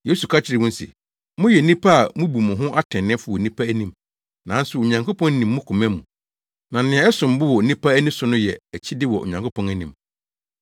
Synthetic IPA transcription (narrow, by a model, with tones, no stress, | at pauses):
je˦su˨kʰa˦t͡ɕʰɪ˨ɾɪ˨wʊ̃˦n̩˦sḭ˨ | mʊ̃˦jɛ˨˦nĩ˦pʰa˦a˨mʊ̃˦bu˨mʊ̃˨ɦʊ̃˦ʔa˦tʰɛ̃˨nːɪ̃˦fʊ˨wɔ˨nĩ˦pʰa˦æ˦nĩ˨m | nã˨˦n̩˦sʊ˨o˨ɲã˨ŋkʰo˦pʰɔ̃˦n˦nĩ˨mːʊ̃˦kʰʊ̃˨mæ̃˦mũ˨ | nã˨nɪ̃˨ɛ̃˨ɛ˦sʊ̃˨m˨bʊ˦wɔ˨˦nĩ˦pʰa˦æ˦nĩ˦sʊ˦nʊ̃˦jɛ˨æ˨t͡ɕʰi˦dɪ˦wɔ̰˨ʔo̰˨ɲã˨ŋkʰo˦pʰɔ̃˦næ˦nĩ˨m